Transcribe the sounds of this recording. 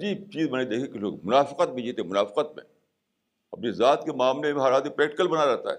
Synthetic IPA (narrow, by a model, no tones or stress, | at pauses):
ɐd͡ʒiːb̚t͡ʃiːzbɐnaid̪eːkʰiekelo̰ːɡmʊnaːfɪqət̪̚mẽd͡ʒiːt̪eɛmʊnaːfɪ̥qət̪̚mḛ̃ | ɐpnezaːt̪kemaːmlemẽɦɐɾaːd̪ipɾɛːk̚ʈɪkəlbɐnaɾɛɦt̪a̰ɦɛ̰